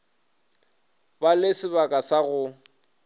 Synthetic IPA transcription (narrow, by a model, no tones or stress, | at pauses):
balɪsɪbakʼasaɣʊ